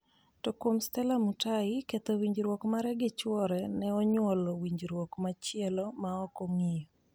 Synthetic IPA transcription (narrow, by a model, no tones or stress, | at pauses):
tokomstɛlamutaɪket̪owiɲd͡ʒɾwɔkmaɾɛɡɪt͡ʃwɔɾɛnɛɔɲwɔlɔwiɲd͡ʒɾwɔkmat͡ʃɪɛlɔmaɔkɔŋijɔ